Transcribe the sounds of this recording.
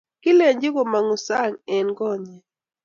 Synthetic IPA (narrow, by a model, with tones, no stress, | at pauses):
kɪ˦le˨ɲd͡ʒɪ˦ko˨ma˨ŋu˨sa˦˨ŋɛ˨nkɔ˦˨ɲɛ˨